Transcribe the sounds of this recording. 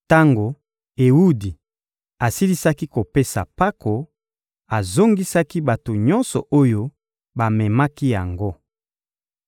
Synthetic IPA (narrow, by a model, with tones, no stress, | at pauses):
ta˦ŋɡo˨ | e˨u˦di˨ | a˨si˦li˦sa˦ki˦ko˨pe˦sa̰˨pa˦kʰo˨ | a˨zo˦ŋɡi˦sa˦ki˦ba˨to˨ɲɔ˦nsɔ˨ʔo˦jo˦ | ba˨mɛ˨ma˦ki˦ja˨ŋɡo˦